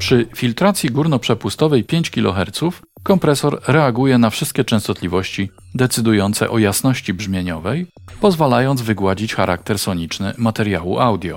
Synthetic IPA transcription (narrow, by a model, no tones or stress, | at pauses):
pʂɘfʲilt̪ɾat̪sʲjiɡuɾnɔpʂɛpust̪ɔvɛjpʲjeɲt͡ɕkʲilɔ̰xɛɾt̪suf | kɔmpɾɛsɔɾɾɛaɡujɛnafʂɘst̪̚kʲɛt͡ʂɛ̃st̪ɔt̪lʲivɔɕt͡ɕi | d̪ɛt̪sɘd̪ujɔnt̪sɛ̰ʔɔjasn̪ɔɕt͡ɕibʐmʲjeɲɔvɛj | pɔzvalajɔnd̪zvɘɡwad͡ʑit͡ɕxaɾʔak̚t̪ɛɾsɔɲit͡ʂnɘmat̪ɛɾja̰wuʔawd̪ʲjɔ̰